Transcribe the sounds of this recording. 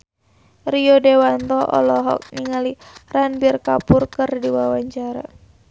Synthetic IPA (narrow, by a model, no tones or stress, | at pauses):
riodewant̪ɔʔɔ̰lɔɦɔ̰k̚niŋaliranbirkapurkɨrdiwawaɲt͡ʃaɾa̰